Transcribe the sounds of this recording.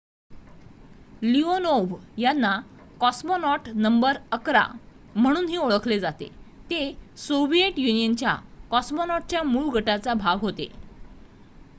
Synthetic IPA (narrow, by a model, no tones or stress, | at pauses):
lionoʋjanːa | kɔsmonɔʈnəmbəɾəkɾa̰ | m̤əɽ̃uːnɦiːoɭəkʰled͡zat̪ḛt̪esoʋijeʈjunijənt͡ɕja̰kɔsmonɔʈ̚t͡ɕjamuːɭɡʱəʈat͡sabʱaʋɦot̪ḛ